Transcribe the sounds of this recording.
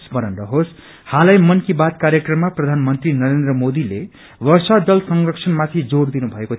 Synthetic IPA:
sbʌnʌnrʌɦos | halajmʌnkibat̪kaɾjʌkrʌmːaprʌd̪ʱanmʌnt̪rinʌɾend̪rʌmod̪ile | ʋʌrsad̪ʌlsʌŋrʌksʰʌnmat̪ʰid͡zord̪inubʱʌeko

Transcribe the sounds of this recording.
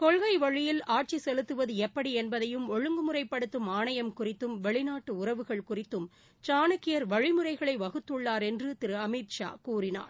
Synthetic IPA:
kɔɭɣɐɪʋɐɻɪjɪlaːʈ̚t͡ʃisɛlɯt̪ːɯʋɐðɯɛpːɐɽiɛnbɐðɐjɯmɔɻɯŋɡɯmɯrɐɪpːɐɽɯt̪ːɯmaːɳɐjɐmkʊrɪt̪ːɯmʋɛɭɪnaːʈːɯʊɾɐʋɯɣɐɭkʊrɪt̪ːɯm | t͡ʃaːnɯkːɪjɐɾʋɐɻɪmɯrɐɪɣɐɭɐɪʋɐɣɯt̪ːɯɭːaːɾɛndrɯt̪ɪɾɯɐmɪʈʂa̰ːkuːrɪna̰ːɾ

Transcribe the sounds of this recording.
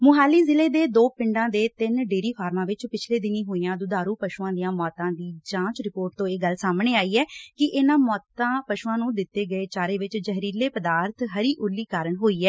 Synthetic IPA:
mʊɦaːliːzɪleːd̪eːd̪oːpɪ̃ɳɖãːd̪eːt̪ɪnɖeːɾiːpʰaːɾmãːʋɪt͡ʃpɪt͡ʃʰleːd̪ɪniːɦoːijãːd̪ʊd̪aːɾuːpəʃuãːd̪ɪjãːmɔːt̪ãːd̪iːd͡ʒãːt͡ʃɾɪpoːɾʈ̚t̪õːeːɡəlsaːmneːaːiːɛːkɪʔɪːnãːmɔːt̪ãːpəʃuːãːnũːd̪ɪt̪ːeːɡəeːt͡ʃaːɾeːʋɪt͡ʃd͡ʒəɦɾiːleːpəd̪aːɾt̪ʰɦəɾiːʔʊlːiːkaːɾəɳɦoːiːɛː

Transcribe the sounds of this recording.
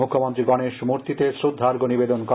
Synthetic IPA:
ukʰːomont̪ɾiɡɔneʃmuɾt̪it̪eʃɾud̪ʱːaɾɡonibed̪onko

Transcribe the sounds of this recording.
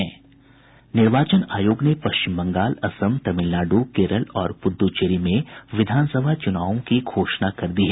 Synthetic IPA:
ɛː | nɪɾʋaːt͡ʃənaːjoːɡnepɐʃt͡ʃɪmbɐ̃ŋɡaːlɐsəmt̪ɐmɪlnaːɖukeːɾəlɔːɾpʊd̪ːut͡ʃeːɾimẽʋɪd̪ʱaːnsəbʱat͡ʃʊnaːʋõkiɡʰʱoːʃnakɐɾd̪iɦɛː

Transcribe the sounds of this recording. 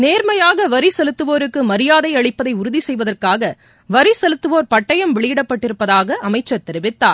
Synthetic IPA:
neːɾmɐjaːɣɐʋɐɾisɛlɯt̪ːɯʋoːɾɯkːɯmɐɾɪjaːðɐɪɐɭɪpːɐðɐɪʊɾʊðisɛjʋɐðɐrkaːɣɐ | ʋɐɾisɛlɯt̪ːɯʋoːɾpɐʈːɐjɐmʋɛɭɪjɪɽɐpːɐʈːɪɾɯpːɐðaːɣɐʔɐmɐɪt͡ʃːɐɾt̪ɛɾɪʋɪt̪ːaːɾ

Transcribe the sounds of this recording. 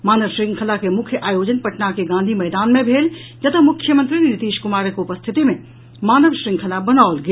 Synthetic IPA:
maːnəʋʃɾɪ̃ŋɡkʰəlakemʊkʰjəʔaːjoːd͡ʒənpɐʈnakeɡãːnd̪ʱimɛːd̪aːnmẽbʱeːld͡ʒɐt̪ʰamʊkʰjəmə̃nt̪ɾinɪt̪iːʃkʊmaːɾkʊpəst̪ʰɪt̪imẽ | maːnəʋʃɾɪ̃ŋɡkʰəlabɐnaːʊlɡɐ

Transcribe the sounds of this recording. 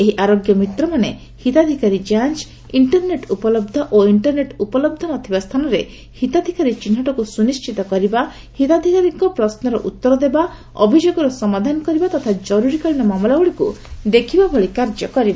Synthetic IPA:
eɦiʔaɾoɡjɔmit̪ɾɔmane | hit̪ad̪ʱikaɾid͡ʒant͡ʃ | iɳʈɔɾneʈupɔlɔb̚d̪ʱɔʔoiɳʈɔɾneʈupɔlɔb̚d̪ʱɔnɔt̪ʰibast̪ʰanɔɾe | hit̪ad̪ʱikaɾit͡ʃin̤ːɔʈɔkusunist͡ʃit̪ɔkɔɾiba | hit̪ad̪ʱikaɾiŋkɔpɾɔsnɔɾɔ̰ʔut̪ːɔɾɔd̪eba | ɔ̰bʱid͡ʒoɡɔɾɔsɔmad̪ʱanɔkɔɾibat̪ɔt̪ʰad͡ʒɔɾuɾikɔɭinɔmamɔlauɭikud̪ekʰibabʱɔɭikaɾd͡ʒɔkɔɾiba

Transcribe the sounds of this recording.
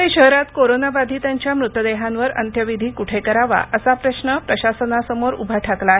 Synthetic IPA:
eɕəɦɾat̪koɾonabad̪ʱiːt̪jaɲt͡ɕjamɾut̪əd̪eɦãnʋəɾə̰nt̪ʰjəʋid̪ʱiːkuʈʰekəɾaʋa̰ʔəsapɾəɕnəpɾəɕasənasəmoɾṵbʱaʈʰakla

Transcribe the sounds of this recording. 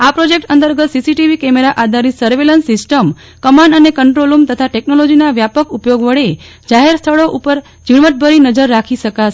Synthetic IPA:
apɾod͡ʒek̚ʈənt̪əɾɡət̪sisiʈiʋikɛmeɾaʔad̪ʱaɾisəɾʋelənsːɪsʈəm | kəmaɳɖənekəɳʈɾolumt̪ət̪ʰaʈeknolod͡ʒinaʋjapəkupjoɡʋəɭe | d͡ʒaɦeɾst̪ʰəɭoʔupəɾ | d͡ʒiɽʋəʈ̪̚bʱəɾinəd͡ʒəɾːakʰiʃəka

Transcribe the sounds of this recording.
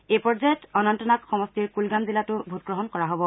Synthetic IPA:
ejpɔɹzajɔtɔnɔntɔnakxɔmɔstiɹkulɡamzilatʊbʱut̚ɡɹɔɦɔnkɔɹaɦobɔ

